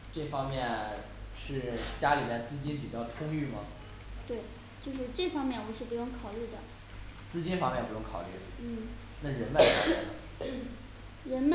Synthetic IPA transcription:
ʈ͡ʂɤ˥˩fɑ˥ŋmjɛ˥˧n | ʂɻ̩˥˩t͡ɕja˥li˨˩mjɛ˥˧nt͡sɹ̩˥˧t͡ɕi˥np̬i˨˩t͡ɕjɑ˥˩ʊʈ͡ʂʰʊ˥ŋy˥˩mɐ˩ | t̪we˥˩ɪ | t͡ɕjo˥˧ʊʂ̬ɻ̩˥˧ʈ͡ʂɤ˥˩fɑ˥ŋmjɛ˥˩nwɔ˧˥ʂɻ̩˥˩pu˧˥jʊ˥˩ŋkʰɑ˨˩ʊly˥˩d̪ə˩ | t͡sɹ̩˥t͡ɕi˥nfɑ˥ŋmjɛ˥˩npu˧˥jʊ˥ŋkʰɑ˨˩ʊy̰˥˩d̪ə˩n̩˥˩ | na˥˩ɻə˧˥nma˥˧˩kʰɑ˥˩˥i˥˩˥ | ɻə˧˥nm˥

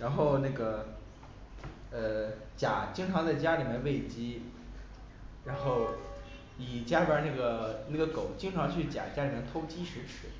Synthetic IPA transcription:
ɻa˧˥nxo˥˧ʊna˥˩ɡə˩ | ə˥˧ | t͡ɕja̰˨˩t͡ɕi˥ŋʈ͡ʂʰɑ˧˥ŋt͡sa˥˧ɪt͡ɕja˥li˨˩mjɛ˥nwe˥˩ɪt͡ɕi˥ | ɻa˧˥nxo˥˩˧ʊ | i˨˩t͡ɕja˥˩bə˧˥na˥˩ɡə˩na˥˩ɡə˩ko˨˩˦ʊt͡ɕi˥ŋʈ͡ʂʰɑ˧˥ŋt͡ɕʰy˥˩t͡ɕja̰˨˩t͡ɕja˥li˨˩mɛ˧˥˦nt̪ʰo˥ʊt͡ɕi˥ʂɻ̩˧˥ʈ͡ʂʰɻ̩˧˥

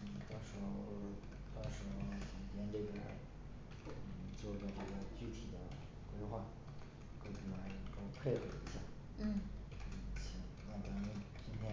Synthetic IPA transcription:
n̩˥˩t̪ɑ˥ŋʂɻ̩˧˥˧ | t̪ɑ˥ŋʂɻ̩˧˥˧ti˨˩ŋt̪ʰjɛ˥nʈ͡ʂɤ˥˩ɡə˨˩˥ | n̩˥˩t͡swɔ˥˩pa˥˩ʈ͡ʂɤ˥˩ɡə˩t͡ɕy˥˩t̪ʰi˨˩d̪ə˦ | kwe˥ɪxwa˥˩ | ko˥˩ʊt̪ʰi˥˩la˧˥ɪ˨˩˨ə˧˥ko˥˧ʊpʰe˥˧ɪxɤ˧˩i˧˥ɕja˥˩˥ | n̩˥˩t͡ɕʰɛ˧˥˩ | la˥˩ŋt̪a˧˥ŋni˥˩n | t͡ɕi˥nt̪ʰjɛ˥

